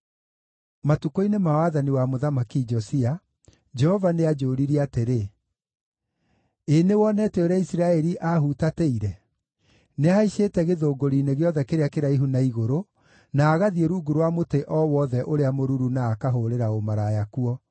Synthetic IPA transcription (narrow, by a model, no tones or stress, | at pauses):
matukoinemawaðaniwamoðamakid͡ʒɔsia | d͡ʒɛhɔvanead͡ʒoːɾiɾiateɾe | enewɔnɛːtɛoɾɛisiɾaɛɾiʔaɦutateiɾɛ | neaiʃeːtɛɣeðoːɡoɾineɣeɔðɛkeɾeakeɾaiɦunaiɣoɾo | naːɣaðieɾuɡuɾwamoteʔɔwɔðɛʔoɾeamoɾuɾunaːkaɦoɾeɾaomaɾajakuɔ